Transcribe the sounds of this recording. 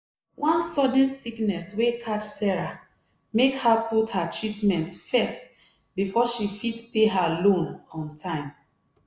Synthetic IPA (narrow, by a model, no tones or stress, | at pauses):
wʔãnsɔd̃nsiknɛswekʰat͡ʃsɛɹa | mekhaputhatʰɹitmɛ̃ntfɛst | bifɔʃifitpeɦalõnɔ̃ntʰãɪ̃m